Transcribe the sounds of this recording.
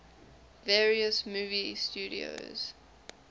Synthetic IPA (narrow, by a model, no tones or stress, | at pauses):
vɛːɹiəsmuːvist͡ʃuːɾḭo̰z̥